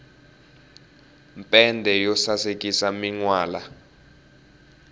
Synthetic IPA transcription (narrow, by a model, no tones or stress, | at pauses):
mpʼɛndʱɛjɔsasekʼisamiŋwaːla